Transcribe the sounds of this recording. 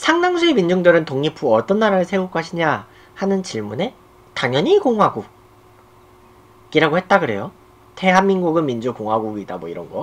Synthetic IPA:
sʰaŋnaŋsʰue̞mind͡ʑuŋdɯɾɯntoŋɲipʰuʌt͈ʌnːaɾaɾɯɭsʰe̞uk͈ʰoɦaɕʰiɲa | hanɯnt͡ɕiɭmune̞ | taŋjʌɲikoŋwaɡu | ɡiɾaɡohe̞t̚t͈aɡɯɾe̞̰jo | te̞ɦanːinɡuɡɯnmind͡ʑukoŋɦwaɡuɡidamwʌiɾʌ̰nɡʌ

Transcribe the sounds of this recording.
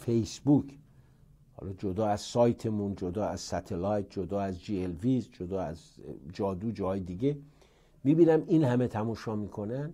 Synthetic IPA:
fejsbukʰ | hɒ̰ːlɒːd͡ʒod̪ɒːæz̥sɒːjt̪ʰemund͡ʒod̪ɒːæzsæt̪ʰelɑjt̪̚d͡ʒod̪ɒːæzd͡ʒielvisd͡ʒod̪ɒːæzd͡ʒɒːd̪uːd͡ʒɒːjed̪iɡe | miːbiːnæminhæmet̪ʰæmuːʃɒːmiːkʰo̞nænd̪

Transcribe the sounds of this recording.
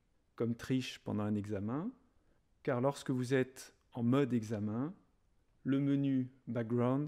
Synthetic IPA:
kɔmt̪χiʃpɑ̰̃d̪ɑ̃ɛ̃nɛɡzamɛ̃ | kaʁlɔʁskəvuzɛt̪ | ɑ̃mɔd̪ɛɡzamɛ̃ | ləmənybak̚ɡʁawd̪

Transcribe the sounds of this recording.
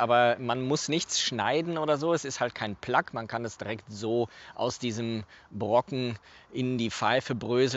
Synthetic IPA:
ʔaːbɐmanmʊsnɪçt͡sʃna̰ɪdn̩ʔoːdɐzoːɛsɪsthalt̚kʰaɪnpʰlakmankʰanɛsd̥iʁɛktz̥oːʔa̰ʊsd̥iːzəmbʁɔkŋ̩ʔɪndiːfaɪfəbʁøːzl

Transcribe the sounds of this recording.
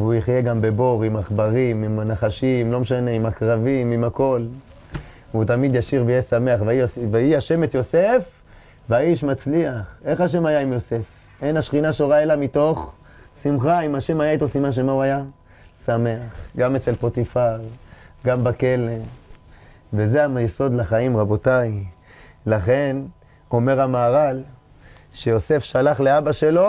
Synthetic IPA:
vujiχje̞ɡambe̞bo̞ʁimaχbaʁimimanaχaʃimlo̞meʃane̞imakʁavimimako̞l | vut̪amid̪jaʃiʁbejesame̞aχviosveiaʃe̞met̪jo̞se̞f | veaiʃmat͡sliaχe̞χaʃ̬e̞majaimjo̞se̞f | ʔe̞naʃχinaʃoʁae̞lamito̞χ | simχaimaʃe̞majait̪osimanʃ̬emauaja | same̞aχɡamet͡se̞lpo̞t̪ifaʁɡambake̞le | ve̞zeajeso̞d̪laχaimʁabo̞taj | laχe̞n | o̞me̞ʁhamaːʁal | ʃejo̞se̞fʃalaχle̞abaʃe̞lo̞

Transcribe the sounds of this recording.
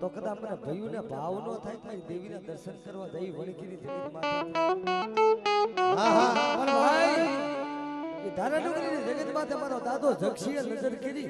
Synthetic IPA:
t̪okəd̪ãkmənebʱəjũnebʱaʋnot̪ʰajt̪aɾid̪eʋinad̪əɾʃənkəɾʋad͡ʒ̪aiʋəɽkinid͡ʒəɡət̪mãt̪ʰe | ɦaɦãpəna | ked̪ʱaɾanoɡɾinid͡ʒəɡət̪mãt̪ʰəmaɾod̪ad̪ʱod͡ʒʱəkʃiənəd͡ʒəɾkəɾi

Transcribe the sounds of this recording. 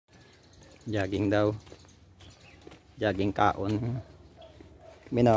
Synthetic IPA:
d͡ʒaɡɪŋd̪au | d͡ʒaɡɪŋka̰ʔun | mina

